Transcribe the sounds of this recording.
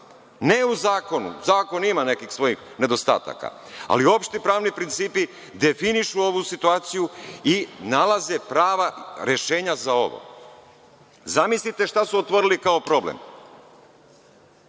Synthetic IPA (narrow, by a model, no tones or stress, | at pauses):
ne̞uzaːko̞nṵzaːko̞nimane̞kixsʋo̞jix | ne̞d̪o̞st̪a̰ːt̪a̰ka̰ | a̰lio̞pʃt̪ipɾaːʋnipɾint̪siːpi | d̪e̞finiʃuo̞ʋusit̪uaːt̪sijuinalaze̞pɾaːʋaɾe̞ʃe̞ːɲazao̞̰ʋo̰ | zamislit̪e̞ʃt̪asuot̪ʋo̞ɾilikaopɾo̞blḛm